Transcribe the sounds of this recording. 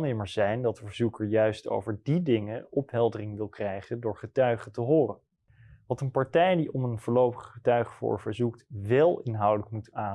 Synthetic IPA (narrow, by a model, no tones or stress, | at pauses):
nɪməɹzɛjndɑtəvəɹzukəɹjœɥsto̰wvəɹdidɪŋəɔpɦɛlˠdərɪŋʋɪlˠkrɛjχəndʊːɹχətœɥχətəɦʊːrən | ʋɑtənpɑɹtɛjdiʔɔmənvʊːɹlowpəχːətœɥχəfʊ̰ːɹvəɹzuktʋɛlˠɪnɦɑwdələkmutaː